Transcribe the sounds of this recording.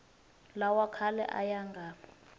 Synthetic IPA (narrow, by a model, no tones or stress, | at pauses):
lawakʰalɛ̰ʔa̰jaŋɡʱaːpʰɔ̥